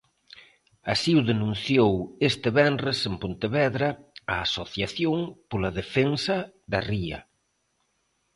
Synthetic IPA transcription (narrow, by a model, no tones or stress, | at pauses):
asiuðenũn̟θjowest̪eβɛnresempont̪eβɛðɾɐaasoθjaθjoŋpolaðefensɐ | ðɐriɐ̰